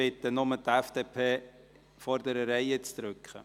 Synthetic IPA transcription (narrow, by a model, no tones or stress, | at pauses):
ɪt̪ːənʊmətɛfd̥eːpʰeː | fɔɾd̪əɾəɾɛjət͡sd̪̥ɾʏkχə̰